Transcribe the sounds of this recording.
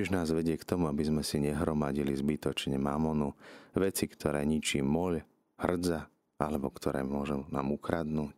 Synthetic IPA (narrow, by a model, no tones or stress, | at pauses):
iʒnaːzʋɛɟɪɛkt̪ɔmuabizmɛsiɲɛɦɾɔmaɟilizbit̪ɔt͡ʃɲɛma̰mɔnuʋɛt͡sikt̪ʰɔɾɛ̰ːɲit͡ʃiːmɔʎ | hr̩d͡za | ʔa̰lɛbɔkt̪ʰɔɾɛ̰ːmʊɔʒuna̰ːmukɾad̪nuːc